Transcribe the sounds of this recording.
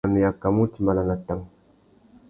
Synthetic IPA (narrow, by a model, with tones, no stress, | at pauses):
ni˨ja˨kːa˨mu˦ti˨˦mba˨la˨na˨ta˦ŋ